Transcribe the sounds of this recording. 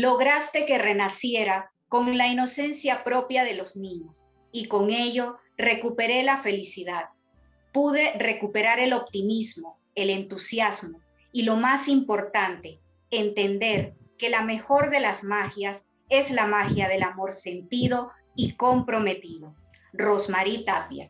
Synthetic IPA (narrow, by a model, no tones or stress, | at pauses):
lo̞ɣɾast̪e̞ke̞re̞nasje̞ɾa | ko̞ŋlaino̞se̞nsjapɾo̞pjaðe̞lo̞znĩɲo̞s | iko̞ŋe̞ʝo̞ | re̞kupe̞ɾe̞lafe̞lisiðað | puðe̞re̞kupe̞ɾaɾe̞lo̞p̚t̪imizmo̞ | e̞le̞nt̪usjazmo̞ | ilo̞masimpo̞ɾt̪ant̪e̞ | ent̪e̞nd̪e̞ɾ | ke̞lame̞xo̞ɾðe̞lazmaxjas | e̞zlamaxjað̞e̞lamo̞ɾse̞nt̪iðo̞ | iko̞mpɾo̞me̞t̪iðo̞ | ro̞smaɾit̪apja̰